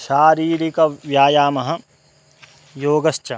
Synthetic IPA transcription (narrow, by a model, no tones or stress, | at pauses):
ʃaːɾiːɾikɐʋjaːjaːmɐɦɐ̆ | joːɡɐst͡ʃɐ